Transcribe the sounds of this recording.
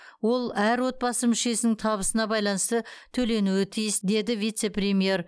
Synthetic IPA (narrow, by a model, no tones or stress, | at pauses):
wo̞lˠæɾwo̞t̪̚bɑsəmʏʃe̞sɪnɪŋt̪ʰɑβəsənɑbɑjlˠɑnəst̪ət̪ʰɵle̞nuɪt̪ʰijɪsd̪e̞d̪ɪvijt̪se̞prʲemije̞r